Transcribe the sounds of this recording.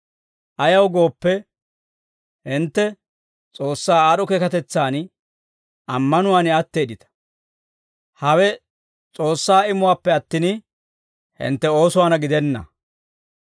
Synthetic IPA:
ʔɐjɐwɡo̞ːpːɛ | hɪnt̪ːɛ | t͡sʼo̞ːsːaːaːɗɔkeːkɐt̪ɛt͡sːaːn | ʔɐmːɐnʊwaːnɪɐt̪ːeːd̪ɪt̪ɐ̥ | hɐwɛ | t͡sʼo̞ːsːaːɪmʊwaːpːɛɐt̪ːɪn | hɪ̰nt̪ːɛo̞ːsʊwaːnɐɡɪd̪ɛnːɐ̰

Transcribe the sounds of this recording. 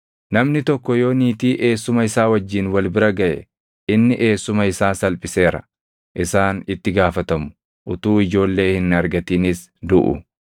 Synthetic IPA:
nɐmnɪt̪ɔkːɔjo̞ːniːt̪iːʔe̞ːsːʊmɐɪsaːwɐd͡ʒːiːnwɐlbɪɾɐɡɐʔɛ̰ | ɪnːɪʔe̞ːsːʊmɐɪsaːsɐlpʼɪse̞ːɾɐ̰ | ʔɪsaːnɪt̪ːɪɡaːfɐt̪ɐmʊ̥ | ʔʊt̪uːɪd͡ʒo̞ːlːe̞ːhɪnɐɾɡɐt̪iːnɪs | d̪ʊʔʊ̰

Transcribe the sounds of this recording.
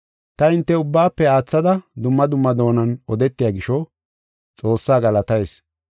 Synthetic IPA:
t̪ɐɪnt̪ːɛʊbːaːpːɛaːt͡sːɐd̪ɐd̪ʊmːɐd̪ʊmːɐd̪o̞ːnɐnɔd̪ɛt̪ːɪjaːɡɪʃɔ | t͡sʼo̞ːsːaːɡɐlɐt̪ɐjs

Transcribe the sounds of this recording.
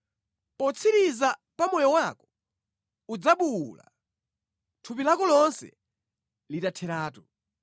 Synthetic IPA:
pɔt͡sʰiɾizapamɔjɔwakɔ̥ | ud͡zaɓuwula̰ | tʰupilakɔlɔnsɛ̰ | litatʰɛɾaːtu

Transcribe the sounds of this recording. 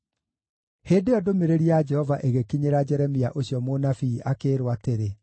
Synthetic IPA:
heːndeɔdomeɾeɾiad͡ʒɛhɔvaʔeɣekiɲeɾad͡ʒɛɾɛmiaʔoɕjɔmonafiːʔakeɾwateɾe

